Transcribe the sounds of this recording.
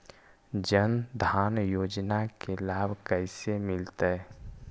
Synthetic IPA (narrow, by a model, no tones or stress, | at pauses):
d͡ʒənd̪ʱaːnjoːd͡ʒnakelaːbʱkəɪsemɪlt̪ə